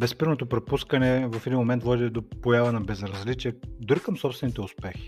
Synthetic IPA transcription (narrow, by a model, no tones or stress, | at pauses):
bɛspiɾnot̪opɾɛpuskɐnɛvɐfɛd̪inmomɛnt̪vɔd̪ʲit̪ɛd̪opojavɐnɐbɛzɾɐzlit͡ʃiɛd̪ʊɾikəmsɔpst̪vɛnit̪ɛʊspɛxi̥